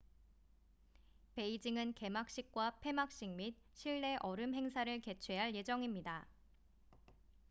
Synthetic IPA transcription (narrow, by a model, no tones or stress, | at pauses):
pe̞id͡ʑiŋɯnke̞mak̚ɕ͈ik̚k͈wapʰe̞mak̚ɕ͈iŋmit̚ɕʰiɭːe̞ʔʌɾɯmɦe̞ŋsʰaɾɯɭke̞t͡ɕʰwe̞ɦaɭje̞d͡ʑʌŋimɲida